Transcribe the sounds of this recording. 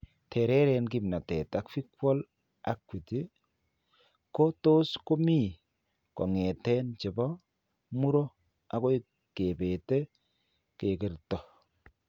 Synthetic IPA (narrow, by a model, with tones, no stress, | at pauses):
tʰe˨ɾɛ˦ɾɛnki˦mna˨tɛ˨ta˨kfi˦kwɔ˦l | a˨kwi˨ti˦ | ko˦to˦sko˦mi˦˨ | kɔ̰˨ŋɛ˨tɛ˦nt͡ʃe˨bɔ˦ | mu˦ɾo˦ | a˦ko˦i | ke˨be˨te˦ | ke˨kɪ˨ɾtɔ˨